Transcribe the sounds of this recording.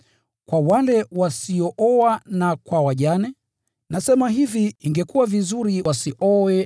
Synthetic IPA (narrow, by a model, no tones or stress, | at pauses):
kwawalɛwasiɔʔɔwanakwawaʄanɛ | nasɛmaɦiviiŋɡɛkuwavizuɾiwasiʔɔwɛ